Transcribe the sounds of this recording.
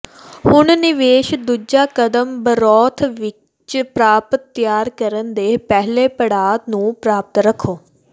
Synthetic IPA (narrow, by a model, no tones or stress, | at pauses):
hʊɳnɪʋeːʃd̪ud͡ʒaːkəd̪əmbəɾɔːt̪ʰʋɪ | t͡ʃpɾaːpət̪ːjaːɾkəɾənd̪eːpɛɦleːpəɽaːt̪nũːpɾaːp̚t̪ɾəkʰːoː